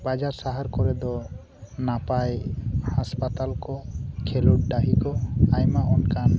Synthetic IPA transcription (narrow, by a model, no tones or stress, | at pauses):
bad͡ʒaɾsaɦaɾkɔɾɛd̪ɔ | napajhaspat̪alkɔkʰeluʈ̚ɖaɦikɔajmaʔɔnkan